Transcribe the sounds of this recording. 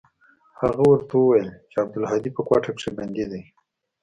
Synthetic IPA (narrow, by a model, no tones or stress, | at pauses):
haɣawəɾt̪awəwajəlt͡ʃeab̚d̪ʊlɦɑd̪ipəkwɑʈakʂebanɡ̪id̪a